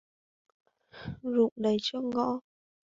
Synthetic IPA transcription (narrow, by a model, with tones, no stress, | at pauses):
zʊ̰˧˨ŋ͡mɗə˨˩jt͡ɕɔ˧ŋɔ̰˧˥